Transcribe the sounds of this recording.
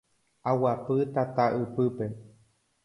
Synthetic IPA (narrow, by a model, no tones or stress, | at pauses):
awapɨt̪at̪aʔɨpɨpe